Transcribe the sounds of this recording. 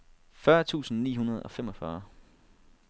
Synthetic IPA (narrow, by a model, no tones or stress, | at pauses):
fɶɐt͡sʰṵːsn̩nḭːɦunɐð̞ˠɒ̽femɒ̽fɶɐ